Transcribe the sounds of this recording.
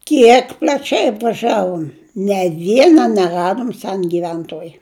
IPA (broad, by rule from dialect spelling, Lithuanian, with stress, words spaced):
ˈkʲiɛk pʲlʲɐˈt͡ʃʲɛɪ ɐpʋɐˈʒʲæːʋoːm nʲɛ ˈʋʲiɛnɐ nʲɛˈrɑːdoːm ˈsʲɛn ɡʲɪˈʋʲɛntoːj